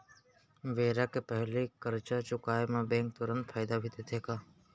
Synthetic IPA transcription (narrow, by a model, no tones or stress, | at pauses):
ʋeːɾakepɛɦlikəɾt͡ʃat͡ʃʊkaːemẽbɛ̃ːŋk̚t̪ʊɾə̃nt̪fʰaːɪd̪abʱit̪et̪ʰeːkaː